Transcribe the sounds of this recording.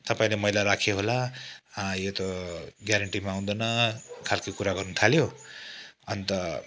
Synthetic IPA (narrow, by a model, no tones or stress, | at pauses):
t̪ʌpaĩlemʌilaɾakʰjoɦola | jot̪ʌɡjaɾʌɳʈimaw̃d̪ʌnʌkʰalkikuɾaɡʌrnut̪ʰaljo | ʌnt̪ʌ